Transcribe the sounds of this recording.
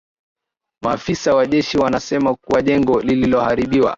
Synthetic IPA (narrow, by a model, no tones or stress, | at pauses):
maːfisawaʄɛʃiwanasɛmakuwaʄɛŋɡɔlililɔhaɾiɓiwa̰